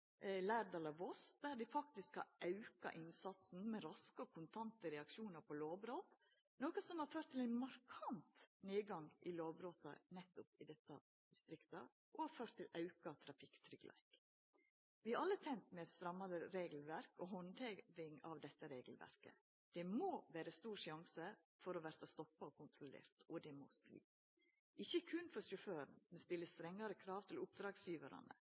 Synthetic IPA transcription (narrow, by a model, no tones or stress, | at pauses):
læːɾd̪ɑlɑʋɔsd̪æɾd̪ɪfɑk̚t̪ɪskhɑ̰ɑʉkɑ̰ʔɪnsɑt̪sn̩mɛɾɑskəɔkʰʊnt̪ʰɑnt̪əɾɛɑkʃuːnɑɾpʰɔloːʋbɾoːt̪ | noːkəsɔmhɑɾføːʈt̪ʰːɪlæɪnmɑɾkʰɑnt̪neːɡɑŋɪloːʋbɾoːt̪ɑ̰nɛt̪ːʊpɪd̪ɛt̪ːɑ | d̪̥ɪst̪ɾɪkt̪ə | ʔɔhɑɾføːʈt̪ʰːɪlɑʉkɑt̪ʰɾɑfɪkt̪ʰɾʏɡlʔæ̰ɪk | ʋɪɑʔɑlːət̪ʰɛnt̪mɛɛd̪st̪ɾɑmːɑd̪əɾeːɡl̩ʋæɾkɔɦɔnt̪ʰɛʋɪŋɑ̰ʋd̪ɛt̪ːəɾeːɡl̩ʋæ̰ɾkə̰ | d̪̥ɛmoːʋæːɾəst̪uːɾʂɑŋsə | fɔɾɔʋæːɾt̪ʰɔst̪ɔpːɑɔkʰʊnt̪ʰɾʊlḛːɾt̪ɔd̪ɛmo̰slḭː | ʔɪçːəkʰʉnfɔɾʂʊføːɾnmɛnst̪ɪlːəst̪ɾɛŋːɑɾəkʰɾɑːʋt̪ʰɪlʊp̚d̪ɾɑːɡsjiːʋɑɾɑ̰nə̰